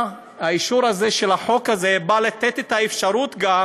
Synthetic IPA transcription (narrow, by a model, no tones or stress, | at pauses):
haiʃuɾazeʃe̞laħo̞kaze̞balat̪et̪et̪aefʃaʁut̪ɡa